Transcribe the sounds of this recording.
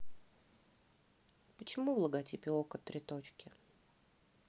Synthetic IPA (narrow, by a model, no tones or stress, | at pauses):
pət͡ɕɪmuvlˠəɡatʲipʲɪokət̪ːɾʲɪt̪ot͡ɕkʲɪ